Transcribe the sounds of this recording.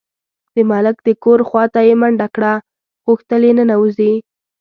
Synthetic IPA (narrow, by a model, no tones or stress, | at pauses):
d̪̥əmalɪk̚d̪̥əkoɾxwɑt̪ajemaɳɖakɽa | ɣʊxt̪əlenənauzi